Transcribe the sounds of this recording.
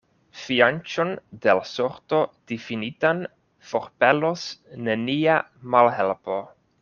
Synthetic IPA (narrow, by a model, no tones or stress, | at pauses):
fiant͡ʃondelasoɾto̞d̥ifinitan | fo̞ɾpelosne̞niamalɦelpo̞